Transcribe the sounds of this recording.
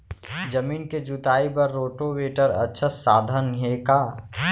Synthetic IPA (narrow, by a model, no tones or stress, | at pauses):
d͡ʒəmiːnked͡ʒut̪aːibəɾːoːʈoweːʈəɾə̰tːʃʰəsaːd̪ʱənɦekaː